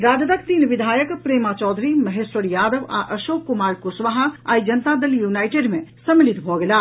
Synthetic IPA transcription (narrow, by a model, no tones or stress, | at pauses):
ɾaːd͡ʒəd̪əkt̪iːnʋid̪ʱaːjəkpɾeːmat͡ʃɔːd̪ʱɾimɐɦesəɾjaːd̪əʋa̰ʔɐʃoːkːumaːɾkosʋaɦaaːjd͡ʒɐnt̪ad̪ɐljuːnaːjʈeɖmẽsəmilit̪bʱɔɡela